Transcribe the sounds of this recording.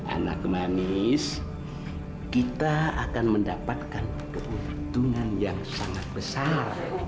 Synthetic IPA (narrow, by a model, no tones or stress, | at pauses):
ʔa̰na̰k̚manis | kit̪aakanməndapat̪̚kan | kəʔunt̪uŋanjaŋsaŋat̪̚bəsar